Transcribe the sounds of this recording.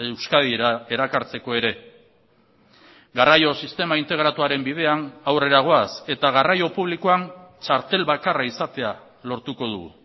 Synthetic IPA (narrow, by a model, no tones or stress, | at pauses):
ewskaðiae̞ɾakaɾt͡se̞ko̞e̞ɾe̞ | ɡarajo̞sist̪e̞maint̪e̞ɣ̞ɾat̪uaɾe̞mbið̞e̞anawre̞ɾaɣ̞o̞ase̞t̪aɣ̞arajo̞puβ̞likoant͡ʃaɾt̪e̞lβakaraisat̪e̞a | lo̞ɾt̪uko̞ðṵɣṵ